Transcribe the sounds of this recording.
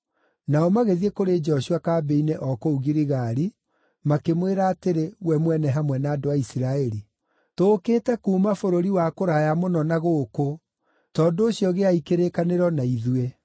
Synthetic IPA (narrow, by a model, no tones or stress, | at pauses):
naɔmaɣeðiɛkoɾed͡ʒɛɔʃuakaːbeineʔɔkouɣiɾiɣaɾi | makemweɾaːteɾewɛmwɛnɛɦamwɛnaːdoaisiɾaɛɾi | toːkeːtɛkuːmafoɾoɾiwakoɾajamonɔnaɣoko | tɔndoːɕjɔɣeaikeɾekaneɾɔnaiðue